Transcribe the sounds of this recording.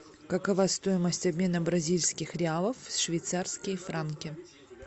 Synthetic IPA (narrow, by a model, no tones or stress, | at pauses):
kɐkɐvast̪o̞jɪməsʲtʲɐbʲmʲe̞nəbɾɐzʲilʲskʲɪxɾʲɪalˠəfsʂvʲɪjt̪sarskʲɪjfɾankʲɪ